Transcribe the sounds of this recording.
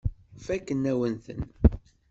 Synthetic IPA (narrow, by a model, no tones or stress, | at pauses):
fækːənːæwənθə̰n